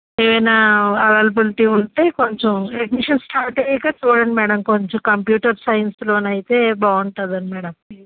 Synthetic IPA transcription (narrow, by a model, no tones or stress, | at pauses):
eːʋɐjnaːɐʋɐlbɐlʈiːuɳʈeːko̞ɲt͡ʃɐmeʈmiʂɐnsʈʰaːɾʈɐikaːt͡ʃuːɽɐnimɛːɽɐmkoɲt͡ʃomkɐmpjuːʈɐɾsɐjnsloːnɐjit̪e̞ːbaːuɳʈaːd̪ɐnimɛːɽɐm